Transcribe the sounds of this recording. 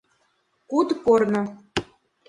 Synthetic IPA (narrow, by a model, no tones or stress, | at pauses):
kud̪kornɤ̆